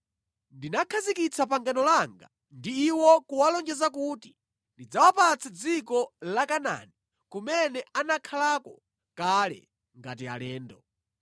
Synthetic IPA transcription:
ndinakʰazikit͡sʰapaŋɡanɔlaŋɡa̰ | ndiːwɔkuwalɔnd͡ʒɛzakuti | ndid͡zawapat͡sʰad͡zikɔlakana̰ni | kumɛnɛanakʰalakɔ | kalɛ̰ | ŋɡat̬ia̰lɛːndɔ

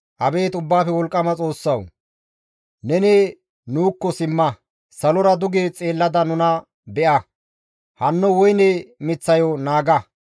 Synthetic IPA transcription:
ʔɐbe̞ːt̪ʊbːaːfɛwɔlkʼːɐmɐt͡sʼo̞ːsːɐw | nɛne | nuːkːɔsɪmːɐ | sɐlɔɾɐd̪ʊɡeːt͡sʼe̞ːlːɐd̪ɐnʊnɐ | bɛʔɐ | hɐnːɔwɔjnɛmɪt͡sːɐjɔnaːɡɐ

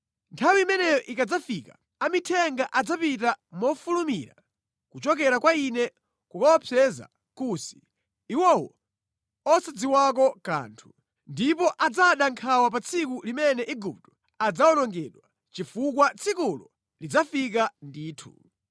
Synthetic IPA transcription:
ntʰawiːmɛnɛjɔʔikad͡zafika | amitʰɛŋɡaʔad͡zapitamɔfulumḭɾa̰ | kut͡ʃɔkɛɾakwainɛ | kukawɔpʰɛza̰ | kusi̥ː | wɔwɔ̰ | ɔsad͡ziwakɔka̰ːntʰu̥ | ndipɔʔad͡zaɗaŋkʰawap̬at͡sʰikulimɛnɛʔiɡup̚tɔ̥ | ad͡zaɔnɔŋɡɛɗwa | t͡ʃifukwat͡sʰikulɔ | lid͡zafik̬andiːtʰṵ

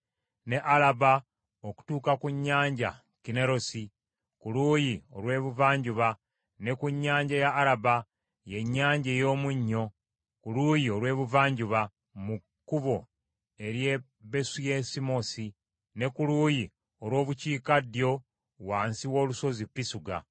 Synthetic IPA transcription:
ne̞ʔalaba | oku̥tuːkakuɲːaːɲɟa̰ | kine̞ɾo̞si | kuluːjio̞̰lwe̞ːβuvaːɲɟuβa | ne̞kuɲːaːɲɟajaːlaba | je̞ɲːaːɲɟe̞ːjo̞ːmuɲːo̞ | kulujio̞lwe̞ːβuvaːɲɟuβa | mukːuβo̞ | e̞ɾje̞ | be̞sujesimo̞si | ne̞kuluːji | olwo̞ːβuciːkadjo̞ | waːnsiwo̞ːluso̞zipisuɡa̰

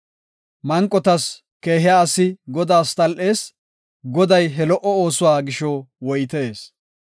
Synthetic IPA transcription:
mɐŋkʼːɔt̪ɐs | ke̞ːɦɪjaːɐsːɪɡɔd̪aːst̪ʼɐlʔe̞ːs | ɡɔd̪ɐjɦɛlɔʔɔoːsʊwaːɡɪʃɔwɔjt̪eːs

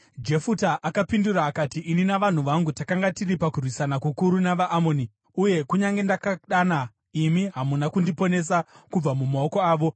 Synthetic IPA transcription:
d͡ʒe̞futaʔakapinduraːkatiʔːninaʋan̤uʋaŋɡutakaŋɡatiripakurwisanakukuɾunaʋaʔːmo̞ːni | uje̞kuɲaŋɡe̞ndakaɗana | imiɦamunakundipo̞ne̞s̬akub͡vamumao̞ko̞aːʋo̞

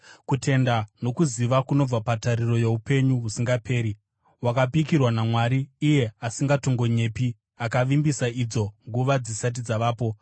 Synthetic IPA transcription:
kutʰe̞ndano̞kuziʋakuno̞b͡vapataɾiro̞jeupe̞ɲuɦusiŋɡapʰe̞ːɾi | wakapikirwanamwaɾiːje̞asiŋɡato̞ŋɡo̞ɲe̞ːpi | akaʋimbisaid͡zo̞ŋɡuʋad͡zisat̬id͡zaʋaːpo̞

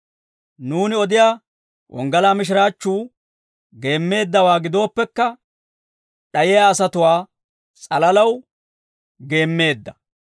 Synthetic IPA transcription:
nuːnɪɔd̪ɪjaː | wʔɔ̰ŋɡɐlaːmɪʃ̬ɪɾaːt͡ʃːuː | ɡe̞ːmːe̞ːd̪ːɐwaːɡɪd̪o̞ːpːɛkːɐ | ɗɐjɪjaːsɐt̪ʊwaː | t͡sʼɐlɐlɐw | ɡe̞ːmːe̞ːd̪ːɐ̥

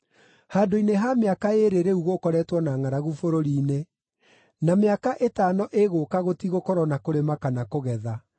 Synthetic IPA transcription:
haːdoineɦameakaeɾeɾeuɣokɔɾɛtwɔnaŋaɾaɣufoɾoɾiːne | nameakaʔetaːnɔʔeɣoːkaɣotiɣokɔɾɔnakoɾemakanakoɣɛða

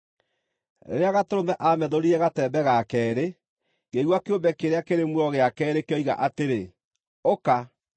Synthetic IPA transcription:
ḛɾeaɣatoɾomɛʔamɛðoɾiɾɛɣatɛːbɛɣakɛːɾe | ɡeɣwakeombɛkeɾeakeɾemuɾɔɣeakɛːɾekjɔiɣa̰ʔateɾe | oka

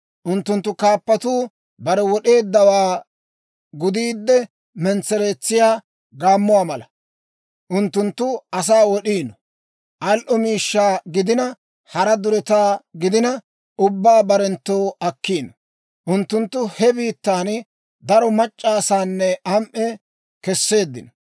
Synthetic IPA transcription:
ʔʊnt̪ːʊnt̪ːʊkaːpːɐt̪uː | bɐɾɛwɔɗe̞ːd̪ːɐwaː | ɡʊd̪iːd̪ːɛ | mɛnt͡sːɛɾeːt͡sːɪjaː | ɡaːmːʊwaːmɐlɐ | ʔʊnt̪ːʊnt̪ːʊɐs̬aːwɔɗiːnɔ | ʔɐlʔɔmiːʃːaːɡɪd̪ɪnɐ | hɐɾɐd̪ʊɾɛt̪aːɡɪd̪ɪnɐ | ʊbːaːbɐɾɛnt̪ːo̞ːɐkːiːnɔ | ʔʊnt̪ːʊnt̪ːʊhɛbiːt̪ːaːn | d̪ɐɾɔmɐt͡ʃʼːaːsaːnːɛɐmʔɛ | kɛsːe̞ːd̪ːɪnɔ

